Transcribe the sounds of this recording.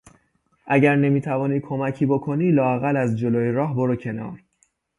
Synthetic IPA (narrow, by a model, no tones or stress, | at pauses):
ʔæɟæɾne̞miːt̪ʰævɒːni̥ːkʰo̞mæcʰiːbokʰoniːlɒːæɣælæzd͡ʒoloːjeɾɒːɦboɾocʰe̞nɒ̰ːɾ